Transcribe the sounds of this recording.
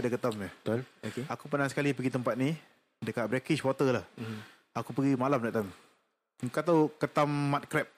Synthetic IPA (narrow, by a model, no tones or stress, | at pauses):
dakət̪amnət̪lokeakupənaŋsə̥kalipəɡit̪əmpat̪̚ni | dəkat̪̚bɾɛkit͡ʃwɔt̪əlah | akupəɡimalamdɛʔt̪am | kat̪̬awkət̪amːat̪̚kɾɛp̚